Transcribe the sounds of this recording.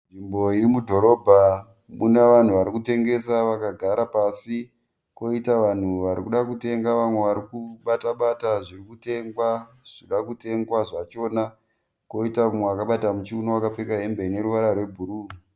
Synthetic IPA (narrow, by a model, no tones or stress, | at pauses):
nʐimbo̞iɾimudʱo̞ɾo̞bʱa | muneʋan̤uʋaɾikute̞ŋɡe̞saʋakaɡʱaɾapasi | ko̞itaʋan̤uʋaɾikuɗakute̞ŋɡaʋamwe̞ʋaɾikuɓataɓataʐirikute̞ŋɡwa | ʐ̥iɗakute̞ŋɡwaʐat͡ʃo̞ːna | ko̞itaamweʋakaɓatamut͡ʃiunowakap͡fekaɦe̞mbe̞ne̞ɾuʋaɾarwe̞bʱuɾuː